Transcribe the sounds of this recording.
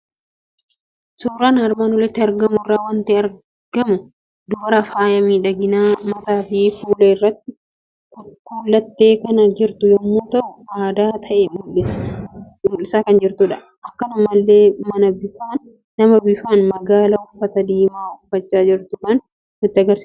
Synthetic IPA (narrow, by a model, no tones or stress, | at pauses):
suːɾaːnɐɾmaːnʊlɛt̪ːɪɐɾɡɐmʊrːaːwɐnt̪ɪɐɾ | ɡ̥ɐmʊ | d̪ʊbɐɾɐfaːjɐmiːᶑɐɡɪnaːmɐt̪aːfiːfuːlɐɪrːɐt̪ːɪ | kʊkuːlːɐt̪ːe̞ːkɐnɐd͡ʒɪɾt̪ʊjɔmːuːt̪ɐʔʊaːd̪aːt̪ʰɐʔɛmʊlːɪsɐ̥ | mʊlːɪsaːkɐnd͡ʒɪɾt̪ʊᶑɐ | ʔɐkːɐnɐmɐlːeːmɐnɐbɪfaːnː | ɐmɐbɪfaːnmɐɡaːlɐʊfɐt̪ɐd̪iːmaːʊfɐt͡ʃːaːd͡ʒɪɾt̪ʊmɐn | nʊɪt̪ːɪɐɡɐɾsiːs